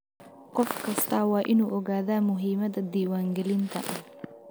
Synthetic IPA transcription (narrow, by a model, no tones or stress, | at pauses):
qɔfkʰɐst̪ʰɐwɑːʔɪnuːʔɔɣaːðaːmʊɦiːmɐðɐd̪iːwaːŋɡɛlɪnt̪ʰɐ̰ʔɐ